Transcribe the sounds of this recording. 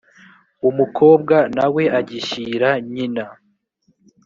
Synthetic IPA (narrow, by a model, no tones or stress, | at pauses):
umukʰo̞ːb̚ɡanawe̞ʔaɟiʃiɾaɲina